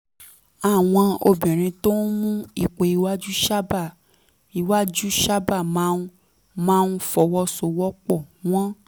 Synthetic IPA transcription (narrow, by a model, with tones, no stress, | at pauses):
a˨w̃ɔ̃˧o̰˧bĩ˨ɾ̃ĩ˧to˦n̩˦mũ˦i˧˨k͡pe˧i˧wa˦d͡ʒu˦ʃa˦ba˦˨ | i˧wa˦d͡ʒu˦ʃa˦ba˦˨m˦ | mãː˦nu˦fɔ˧wɔ˦so˧wɔ˦k͡pɔ˦˨w̃ɔ̃˦